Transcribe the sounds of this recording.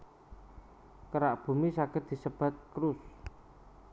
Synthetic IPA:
kəɾaʔb̥ṳmisakɪt̪̚d̪̥i̤səb̥a̤t̪̚kɾʊs

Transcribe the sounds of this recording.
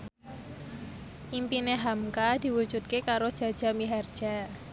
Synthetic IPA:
ʔimpineɦamkad̪̥i̤wu̥d͡ʒ̥ṳt̪̚kekaɾod̥ʒ̥ä̤d̥ʒ̥a̤miɦard̥ʒ̥a

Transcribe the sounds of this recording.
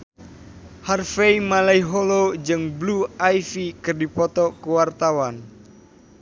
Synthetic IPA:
harfeimalaiɦolod͡ʒɨŋbluajfikɨrdipɔt̪ɔkuwart̪awan

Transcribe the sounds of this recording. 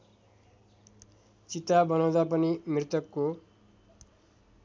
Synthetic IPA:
t͡sit̪abʌnaw̃d̪apʌnimrt̪ʌkːo

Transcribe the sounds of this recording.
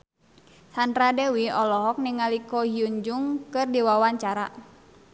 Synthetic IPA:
sand̪ɾadɛwiɔlɔɦɔk̚niŋalikɔhiuɲd͡ʒuŋkɨrdiwawaɲt͡ʃaɾa̰

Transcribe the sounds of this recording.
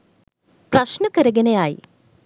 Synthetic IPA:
prɐɕnɐkɐɾɐɡɐnejaːjḭ

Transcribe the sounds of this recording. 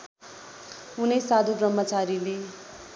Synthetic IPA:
unejsad̪ʱubrʌmːʌt͡saɾile

